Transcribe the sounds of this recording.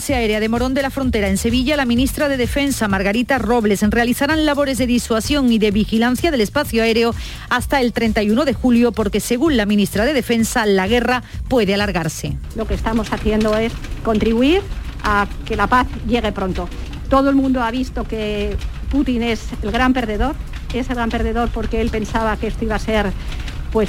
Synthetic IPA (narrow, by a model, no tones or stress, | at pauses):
seaeɾeað̞e̞mo̞ɾo̞nd̪elafɾo̞nt̪e̞ɾae̞nse̞β̞iʎalamĩnist̪ɾað̞e̞ð̞e̞fe̞nsamaɾɣaɾit̪aro̞βle̞sre̞aliθaɾanlaβo̞ɾe̞zðe̞ðiswasjo̞ŋiðe̞βixilan̟θjaðe̞le̞spaθjoae̞ɾeo̞ | ast̪ae̞lt̪ɾe̞nt̪ajuno̞ðe̞xuljopo̞ɾke̞se̞ɣunlamĩnist̪ɾað̞e̞ð̞e̞fe̞nsalaɣ̞e̞rapwe̞ðealaɾɣaɾse̞lo̞kest̪amo̞saθje̞nd̪oe̞sko̞nt̪ɾiβuiɾake̞lapaθʝe̞ɣe̞pɾo̞nt̪o̞ | t̪o̞ðoelmũnd̪oaβist̪o̞keput̪ine̞selɣɾampe̞ɾðe̞ðo̞ɾ | e̞selɣɾampeɾðe̞ðo̞ɾpo̞ɾkeelpe̞nsaβakee̞st̪oiβase̞ɾpwe̞s